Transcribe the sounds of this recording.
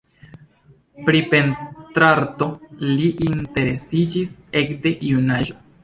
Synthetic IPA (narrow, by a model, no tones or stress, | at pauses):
pɾipe̞ntɾaɾto̞liʔinte̞ɾe̞sid͡ʒise̞kde̞ʔiunaʒo̞